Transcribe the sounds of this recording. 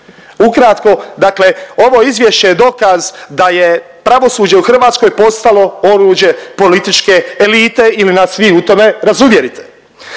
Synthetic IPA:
ukɾat̪ko̞d̪akle̞o̞ʋo̞izʋje̞ʃt͡ɕe̞jed̪o̞kazd̪aje̞ | pɾaʋo̞suːd͡ʑe̞uxr̩ʋaːt̪sko̞jpo̞st̪alo̞o̞ɾud͡ʑje̞po̞lit̪it͡ʃke̞ːlit̪e̞ilinasʋiut̪o̞me̞ɾazuʋje̞ɾit̪ʰe̞̥

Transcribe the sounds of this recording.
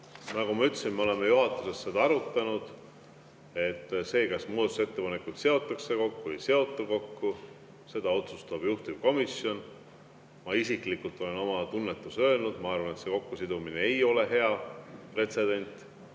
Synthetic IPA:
nɑkumɑyt̪ːˑsinmeo̞le̞mejuɦɑt̪ːˑuse̞st̪se̞d̪ɑɑɾut̪ˑːɑnud̪̥ | e̞t̪ːse̞ːkɑsmuːd̪ɑt̪use̞t̪ːe̞pɑne̞kːut̪se̞o̞t̪ːˑɑkse̞ko̞kːuejse̞o̞t̪ˑːɑko̞kːu | se̞d̪̥ɑo̞t̪sust̪ɑb̥juht̪ib̥ko̞misjo̞n | mɑisiklikult̪ːˑo̞le̞no̞mɑt̪unːe̞t̪ːˑusø̞ːlnud̪̥mɑɑrvɑnet̪seko̞kːusid̪̥umineejo̞le̞ɦe̞ɑpre̞t̪se̞d̪̥e̞nʲt̪ˑ

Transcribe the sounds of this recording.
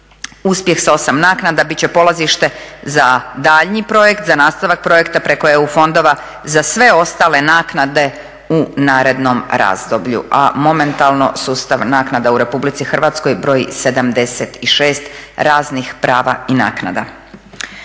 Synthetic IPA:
uspje̞xsao̞samnaːknad̪abit̪t͡ɕe̞po̞lˠaziʃt̪e̞zad̪aʎɲipɾo̞je̞kt̪zanaːst̪aʋak̚pɾo̞jekt̪apɾe̞ko̞eufo̞nd̪o̞ʋa | zasʋe̞o̞st̪aːle̞naːknad̪e̞ | unaːɾe̞d̪no̞mɾa̰ːzd̪o̞bʎṵʔa̰mo̞me̞nt̪alˠno̞̰suːst̪aʋnaːknad̪auɾe̞publit̪sixrʋaːt̪sko̞jbɾo̞ːjḭse̞d̪amd̪e̞set̪iʃe̞ːst̪ɾaːznixpɾaːʋaina̰ːkna̰d̪a̰

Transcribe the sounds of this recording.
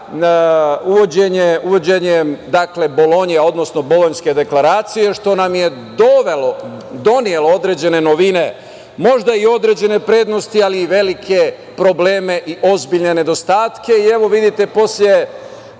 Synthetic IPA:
uʋod͡ʑeɲeuʋo̞d͡ʑe̞ɲed̪akle̞bo̞lo̞ɲjeo̞d̪no̞sno̞bo̞lo̞ɲske̞d̪e̞klˠaɾaːt̪sije̞ʃt̪o̞namje̞d̪oʋelod̪o̞nije̞lˠood̪ɾe̞ːd͡ʑe̞ne̞noʋine̞ | mo̞ʒd̪aio̞d̪ɾe̞d͡ʑe̞ne̞pɾe̞ːd̪no̞st̪ialiːʋe̞likʰe̞ | pɾo̞ble̞ːme̞ʔiʔo̞zbiʎne̞ne̞d̪o̞st̪aːt̪ke̞ieʋo̞ʋid̪it̪e̞po̞sʎʲe̞

